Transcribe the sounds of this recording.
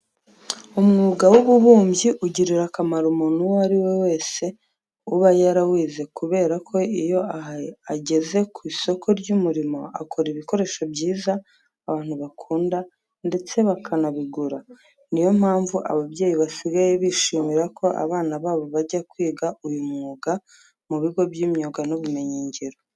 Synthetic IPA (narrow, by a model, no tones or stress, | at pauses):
umŋuːɡawuβuβuːmbɟiʔuɟiɾiɾakamaɾumunuaɾiwe̞we̞ːse̞ | uβajaɾawiːze̞kuβe̞ːɾakʰo̞ijo̞aaɟe̞ze̞kwiːso̞kʰo̞ɾɟumuɾimo̞akʰo̞ɾiβiko̞ɾe̞ːʃo̞bɟiːzaː | βaːn̥huβakʰuːnda | nde̞t͡se̞βakʰanaβiɡuɾa | nijo̞mhaːɱvuʔa̰βaβɟe̞ːjiβasiɡajeβiʃiːmiɾakʰo̞ʔa̰βaːnaβaːβo̞βaɟakwiːɡaujumŋŋuoɡa | muβiɡo̞bjimɲoɡanuβume̞ɲiːɲɟeɾo